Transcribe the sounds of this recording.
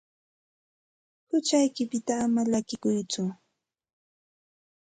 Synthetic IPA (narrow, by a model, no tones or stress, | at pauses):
hʊt͡ʃajkɪpɪt̪aːmalakɪkʊjt͡sʊ